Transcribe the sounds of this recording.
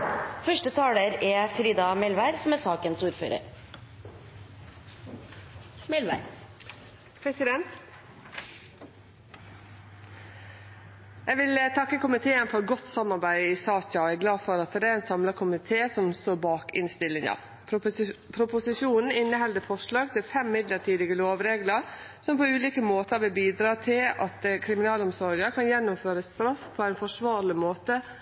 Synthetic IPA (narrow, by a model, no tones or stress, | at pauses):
fœʂʈət̪ʰɑːləɾɛfɾiːd̪ɑmɛlʋæɪɾsɔmæsɑːkənsuːɾfø̰ːɾə̰ɾ | mɛlʋæɾ | pʰɾɛsɪd̪ɛnt̪ | jæʋɪlət̪ʰɑkːəkʊmɪt̪ʰeːənfɔɾɡɔt̪ːsɑmːɑɾbæɪɪsɑːçɑɔæɡlɑːfɔɾɑt̪̚d̪ɛd̪æːɾɛːnsɑmləkʰʊmɪt̪ʰeːsɔmst̪oːɾbɑːkɪ̰nst̪ɪlːɪŋɑ̰ | pʰɾʊpʊsɪʃjuːnn̩ɪnːəɦɛld̪əfɔʂlɑːɡt̪ʰɪlfɛmːɪd̪ləʈʰiːd̪ɪɡəloːʋɾeːɡləɾsɔmpoʉːliːkəmoːt̪ʰəɾʋɪbiːd̪ɾɑːt̪ʰɪlɑt̪kʰɾɪmɪnɑːlɔmsɔɾəkʰɑnjɛnːʊmføːɾəst̪ɾɑfpʰoːæɪnfɔʂʋɑːɾlɪmoːt̪ə